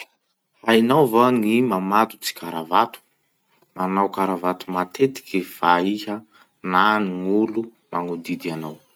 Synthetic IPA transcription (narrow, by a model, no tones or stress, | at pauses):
hainawvanimamat̪u̥t͡si̥kaɾavat̪u̥ | manawkaɾavat̪umat̪ʰet̪i̥kifaihə | naniŋulu | maŋud̪id̪ianaw